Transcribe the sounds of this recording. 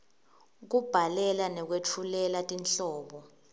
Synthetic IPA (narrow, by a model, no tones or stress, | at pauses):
k̬ub̥ʱalɛlanɛk̬wetʰulɛlatʼinɬɔːɓɔ